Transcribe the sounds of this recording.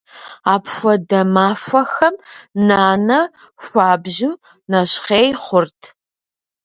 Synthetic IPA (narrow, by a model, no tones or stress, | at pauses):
aːpxʷɐdɐmaːfʷɐxɐmnaːnɐ | fʷaːbʑɪ | nɐɕχeːjχʷʊrtʰ